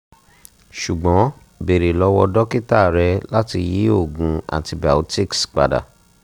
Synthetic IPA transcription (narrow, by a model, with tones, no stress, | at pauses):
ʃu˨ɡ͡bɔ̃˨˦ | be˨ɾe˨lɔ˨˦wɔ˧dɔ˦ki˦ta˦˨ɾɛ˧la˦ti˧ji˦o˦˨ɡũ˧a̰˨ti˧ba˨u˦ti˦ksk͡pa̰˨da̰˨